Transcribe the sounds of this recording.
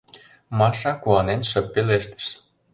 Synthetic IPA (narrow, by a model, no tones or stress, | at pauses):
mɑʃɑkuɑnenʃə̆pːeleʃt̪ə̥̆ʃ